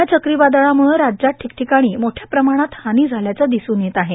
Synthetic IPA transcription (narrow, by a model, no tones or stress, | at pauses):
at͡ɕəkɾibad̪əɭaməɭɾːad͡ʑaʈʰːikʈʰikaɽ̃iːmoʈʰjapɾəmaɽ̃at̪hañiːd͡zʱaljat͡sad̪isuːnjet̪aɦe